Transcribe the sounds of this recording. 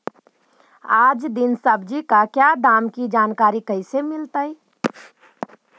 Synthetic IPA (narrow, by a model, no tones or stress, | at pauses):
aːd͡ʒd̪ɪnsəbd͡ʒikakjad̪aːmkid͡ʒaːnkaːɾikəɪsemɪlt̪ai